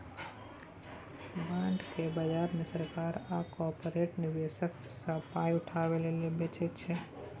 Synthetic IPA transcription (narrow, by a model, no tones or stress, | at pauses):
bãːɳɖkebəd͡ʒaːɾmẽsəɾkaɾakɔpɾeʈnɪʋesək | sə̃paːiʊʈʰaʋelelebet͡ʃʰet͡ʃʰe